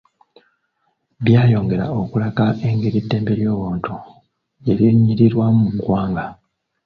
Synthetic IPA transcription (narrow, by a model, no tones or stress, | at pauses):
βjaːjo̞ːŋɡe̞ɾa̰okulakae̞ŋɡiɾitːe̞ːmbeɾjo̞ːβoːntu | eɾiɲiɾiɾwammuɡwaːŋɡa